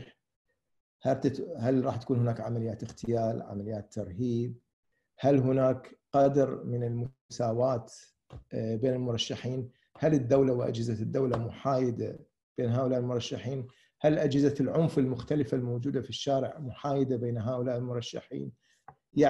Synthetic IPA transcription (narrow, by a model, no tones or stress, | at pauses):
hat̪halɾˤɑːħt̪ḁkuːnhʊnaːkʕamalɪjaːt̪ɪxt̪ɪjaːlʕa̰malɪjːaːt̪ːɑɾˤhiːb̚ | halɦʊnaːkqɑd̪ɾmɪnɪlmʊ | saːwaːt̪ | beːnɪlmʊɾˤɑʃːaħiːn | halɪd̪ːawlawɪʔa̰d͡ʒɪzad̪ːawlamʊħaːjɪd̪a̰ | b̥eːnɦaːʔʊlaːʔɪlmʊɾˤɑʃːaħiːn | halʔad͡ʒɪzalʕʊmfɪlmʊxt̪alɪfalmoːd͡ʒuːd̪afiʃːaːɾɪʕmʊħaːjɪd̪abeːnɦaːʔʊlaːʔɪlmʊɾˤɑʃːa̰ħḭːn | ja